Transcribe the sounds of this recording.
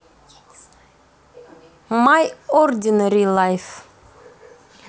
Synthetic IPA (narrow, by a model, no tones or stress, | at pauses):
majɔrd̪inəɾilˠajf